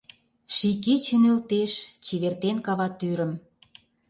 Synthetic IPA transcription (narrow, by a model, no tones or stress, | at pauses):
ʃikit͡ɕə̆nølt̪eʃt͡ɕiβert̪enkɑβɑt̪yɾə̆m